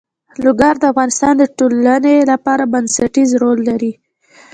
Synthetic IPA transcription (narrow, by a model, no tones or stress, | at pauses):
lʊɡaɾd̪əafɣɑnɪst̪ɑnd̪əʈolanelapɑɾabansaʈizɾolːaɾi